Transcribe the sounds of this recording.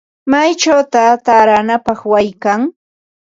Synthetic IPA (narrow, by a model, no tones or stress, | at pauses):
majt͡ʃawt̪at̪aɾanapɑχwajkaŋ